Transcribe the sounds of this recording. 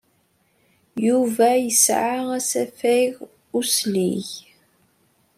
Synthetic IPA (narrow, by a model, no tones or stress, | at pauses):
juvæjəsʕaæsæfæjɣ | usliç